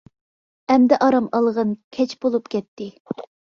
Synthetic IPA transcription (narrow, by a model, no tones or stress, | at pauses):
ɛmd̪ɛʔɑɾɑmɑlˠʁənkʲʰɛt͡ʃb̥olˠupkʲɛt̪ʰːɪ